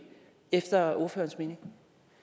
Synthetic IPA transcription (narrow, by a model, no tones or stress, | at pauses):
efd̥ɐo̝ɐfø̰ːɐnsme̝ːne̝ŋ